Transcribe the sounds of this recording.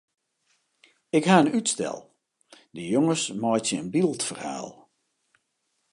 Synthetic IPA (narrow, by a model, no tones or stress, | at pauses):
ɪkhaənytstɛ̰lˠ | dəjoŋəsmɔjtsəənbilˠtfərha̰ːlˠ